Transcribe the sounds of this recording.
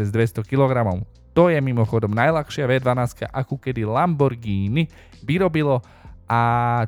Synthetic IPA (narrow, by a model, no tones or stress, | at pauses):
ɛzd̪ʋɛst̪ɔkilɔɡɾamɔʊ | t̪ɔjɛmimɔxɔd̪ɔmnajlaxʃɪaʋɛd̪ʋanaːska̰ʔakukɛd̪ilambɔɾɡiːni | ʋiɾɔbilɔ | ʔa